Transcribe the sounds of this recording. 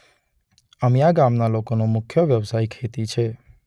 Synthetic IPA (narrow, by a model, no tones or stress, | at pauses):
əmjaɡamnalokonomʊkʰjoʋjəʋsaikʰet̪it͡ʃʰe